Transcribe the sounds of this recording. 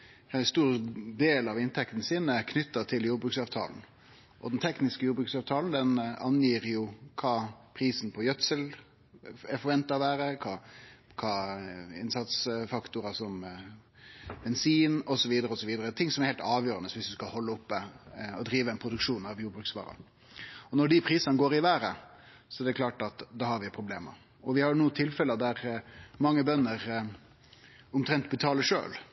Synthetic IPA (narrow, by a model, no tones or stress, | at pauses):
kɑst̪uːɾd̪eːlɑʋɪnt̪ʰɛkt̪n̩əsiːnəkʰnʏt̪ːət̪ʰɪljuːbɾʉːksɑːʋt̪ʰɑ̰ːln̩ | ʔɔ̰d̪nt̪ʰɛknɪskəjuːɾbɾʉːksɑːʋt̪ʰɑːln̩d̪ɛnɑnjiːɾjʊkʰɑːpʰɾiːsn̩pʰɔjœt̪səl | ɛɾfɔɾʋɛnt̪ɑʋæːɾəkʰɑː | kʰɑːɪ̰nsɑt̪sfɑkt̪ʊɾɑsɔm | bɛnsiːnɔsɔʋiːd̪əɾəɔsɔʋiːd̪əɾət̪ʰɪŋsɔmɛɾhɛlt̪ɑːʋjøːɾənəsʋɪsd̪ʉskɑhɔlːəʊpːəɔd̪ɾiːʋəɛnpʰɾʊd̪ʉkʂuːnɑʋjuːbɾʉksʋɑ̰ːɾɑ̰ | ɔnɔɖɪpʰɾiːsɑnəɡoːɾɪʋæːɾə | sɔɛɾd̪ɛkʰlɑːʈɑt̪d̪ɑːhɑɾʋɪpʰɾʊbleːmə̰ɾ | ɔʋɪhɑɾjʊnuːt̪ʰɪlfɛləd̪æɾmɑŋːəbœnːəɾ | ʊmt̪ʰɾɛnt̪bət̪ʰɑːləʂø̰ːl